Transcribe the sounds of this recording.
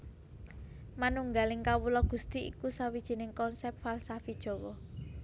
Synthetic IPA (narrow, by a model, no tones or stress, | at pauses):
manuŋɡalɪŋkawulɔɡ̥ṳst̪iḭkusawid̥ʒ̥i̤nɪŋkɔnsɛp̚t̪̚falsafid̥ʒ̥ɔ̤wɔ